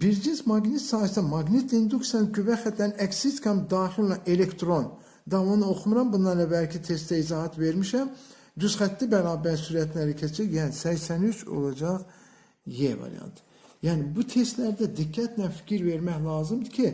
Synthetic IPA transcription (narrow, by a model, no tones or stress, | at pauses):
b̥iɾd͡ʒinsmɑɡnit̪sɑːjsd̪ɛmɑɡnit̪ind̪uksijɑnɡyvæxæt̪lænɛksit̪kʰɑmd̪ɑːχilʲlɑʔelekt̪ɾo̞n | d̪ɑvɑnɯo̞xumuɾɑmbunːɑnlɑbælcʰit̪ʰe̞st̪æizɑːhæt̪veɾmiʃæm | d̪yzχæt̪ʰːibæɾɑːbæɾsyɾæt̪ʰlæɾicʰet͡ʃʰæjæːnisæçsænyt͡ʃʰo̞̰lˠɑd͡ʒɑʁ | jevɑ̰ɾḭjɑ̰nt̪ʰ | jæːnibut̪ʰe̞st̪læɾd̪æd̪ikːæt̪lænfi̥cʰiɾveɾmæçlˠɑːzɯmd̪icʰi